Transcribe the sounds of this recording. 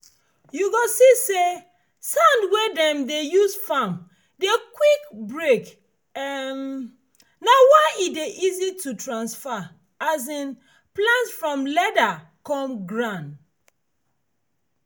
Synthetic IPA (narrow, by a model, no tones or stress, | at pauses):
juɡosise | sãndwedɛ̃mdejusfãm | dekwikbɹek | ɛm | nawaɪideʔizitutɹãnsfa | azĩn | plãntfɹɔ̃mlɛda | kɔ̃mɡɹãn